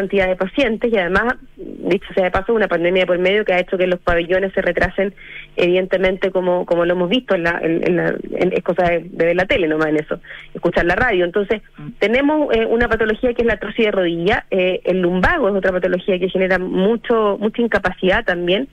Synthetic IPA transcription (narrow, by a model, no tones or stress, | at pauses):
ant̪iðaðepasje̞nt̪esiaðe̞mas | d̪it͡ʃo̥seaðepasounapand̪emjapo̞ɾme̞ðjokeaet͡ʃokelohpaβeʎo̞nesːe̞rʔet̪ɾasenḛβiðe̞nt̪emẽ̞nt̪ekomokomoloemo̞zβiht̪oenlaʔḛnḛnla̰ḛnḛhko̞saðed̪eβelat̪elenomasene̞so̞ehkut͡ʃaɾlaraðjoent̪o̞nse̞s | t̪e̞ne̞moseʔunapat̪olo̞xiakeezlat̪ɾosiðeroðiʝaeelːumbaɣoeso̞t̪ɾapat̪o̞lo̞xiakexeneɾamut͡ʃomut͡ʃaiŋkapasiðat̪ambje̞n